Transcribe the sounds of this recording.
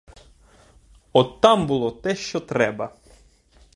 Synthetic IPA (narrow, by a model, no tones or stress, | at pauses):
ɔt̪ːɑmbʊlˠɔt̪ɛʃt͡ʃɔt̪ɾɛbɐ